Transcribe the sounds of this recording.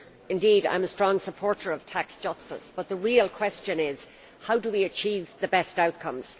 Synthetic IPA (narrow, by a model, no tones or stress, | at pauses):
ɪ̃ndiɾã̰ɪ̃məstɹ̥ɔ̃ŋsəpʰɔɹɾə˞ʌv̥tʰaksd̥ʒ̥ʌstə̰sb̥ʌt̪̚ðəɹilˠkʰw̥ɛst͡ʃɨ̃nɪz̥ | haʊdəwiɨt͡ʃʰiːvðəbɛstaʊt̚kʰʌ̃mz̥